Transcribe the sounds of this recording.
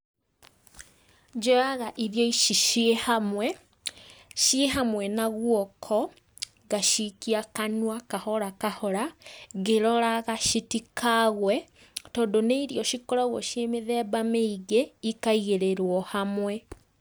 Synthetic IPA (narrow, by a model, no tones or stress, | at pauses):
d͡ʒɔaɣaʔiðjɔiʃiʃehamwɛ | ʃieɦamwɛnaɣwɔkʰɔ | ɣaʃikiakanwakahɔɾakahɔɾaɣeɾɔɾaɣaʃitikʰaɣwɛ | tɔːndoneiɾiɔʃikɔɾɔɣwɔʃiemeðɛːβameiɣeikaiɣeɾeɾwɔhamwɛ